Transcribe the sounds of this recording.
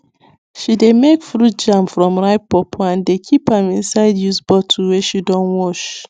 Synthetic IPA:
ʃidemekfɹut̚d͡ʒãmfɹɔ̃mɹaɪp̚pɔpʰɔãndekʰipãmĩnsaɪdjusbɔtʰuwɛʃidɔ̃nwɔʃ

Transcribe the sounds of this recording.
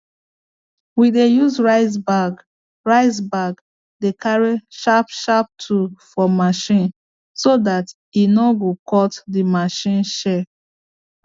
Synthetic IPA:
widejuzɹaɪzbaɡ | ɹaɪzbaɡ | dekaɹiʃapʃap̚tʰufɔmaʃĩn | sodat | inɔɡokʰɔtdimaʃĩnʃɛ

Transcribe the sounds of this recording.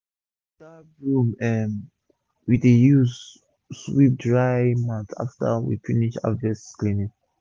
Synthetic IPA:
da | ɹũmɛm | widejus | swip̚dɹajmãnθa̰ftə̰wḭfiniʃa̰dvɛsklinik

